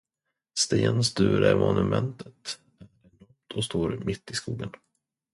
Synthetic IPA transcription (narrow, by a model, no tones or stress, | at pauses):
st̪eːnst̪ʉ̟ːɾæɾmɔnɵmʔɛnt̪ʰət̪ | æɾɛɖɔmt̪ʰɔst̪oːɾmɪt̪ːɪskuːɡən